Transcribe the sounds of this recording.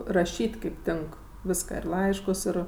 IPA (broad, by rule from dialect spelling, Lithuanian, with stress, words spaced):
rɐˈʃʲiːtʲ ˈkɐɪp ˈtʲɪŋk ˈʋʲɪskɑː ɪr ˈlˠɐɪʃkʊs ˈɪr